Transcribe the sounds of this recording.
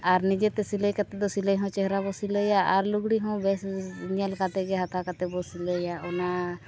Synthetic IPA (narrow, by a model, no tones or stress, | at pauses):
aɾnid͡ʒɛt̪ɛsiləjkat̪ɛd̪ɔsiləjɦɔ̃t͡ʃɛɦɾabɔsiləjaʔaɾluɡɽiɦɔ̃bɛsɲɛlkat̪ɛɡɛɦat̪ʰakat̪ɛbɔsiləjaɔna